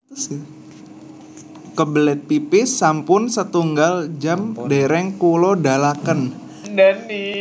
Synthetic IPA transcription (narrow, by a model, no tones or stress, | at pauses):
si | kəbəlɛt̪̚pipɪsampʊnsət̪uŋɡald͡ʒamdeɾɛŋkulodalakən | dani